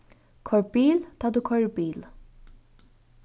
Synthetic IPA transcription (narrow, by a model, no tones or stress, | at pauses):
kʰɔɹbiːlt̪ʰaːd̪uːkʰɔɹbiːl